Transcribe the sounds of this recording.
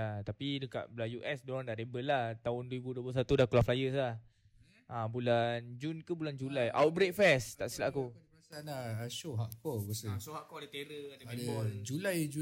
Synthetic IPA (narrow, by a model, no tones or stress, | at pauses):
at̪apidəka̰ʔbəlajuʔɛsdoɾaŋdaɾebəlaht̪aʊndwəɾibuduəpəls̬at̪udahkulaflajəs̬lah | abuland͡ʒunkubuland͡ʒulajʔawt̪̚bɾek̚fɛst̪aʔsila̰ʔakuasanaaʃoɦaʔkɔasəsoɦaʔkɔadət̪eɾəadəɛbɔd͡ʒulajd͡ʒu